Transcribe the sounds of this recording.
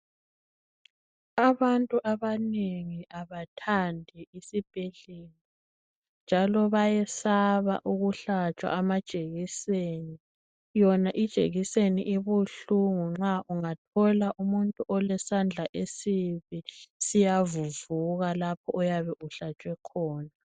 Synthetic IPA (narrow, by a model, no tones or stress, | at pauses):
aβantʼuʔaβaneŋiʔaβatʰandʱɛisib̥ʱɛɮelɔ | nd͡ʒʱalɔβajɛsaβa̰ʔuɣuɬat͡ʃʼwa̰ʔːmad̥ʒ̥ʼʱeɣiseni | jɔnaʔid̥ʒ̥ʱʼḛɣiseniʔiβuɬuŋuŋ͡ǁaʔuŋatʰɔlaʔumuntʼuʔɔlɛsand͡ɮʱaʔesiβisijavuvuɣalapʰɔʔɔjaβɛʔuɬat͡ʃʼwɛkʰɔːna